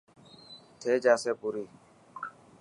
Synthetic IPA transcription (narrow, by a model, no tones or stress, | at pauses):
t̪ʰeːd͡ʒaːseːpuɾiː